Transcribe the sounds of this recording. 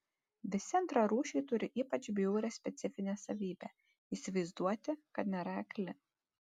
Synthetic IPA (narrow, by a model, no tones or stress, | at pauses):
ʋʲɪsʲɪɐnt̪ɾɐɾuːʃʲɛɪt̪ʊɾʲɪʔiːpɐt͡ʃʲbʲɪjuːɾʲɛsʲpʲɛt̪sʲɪfʲɪnʲeːsɐʋʲiːbʲæ̰ː | isʲɪʋɐɪzd̪uɔt̪ʲɪkɐt̪nʲɛɾɐɛkʲlʲɪ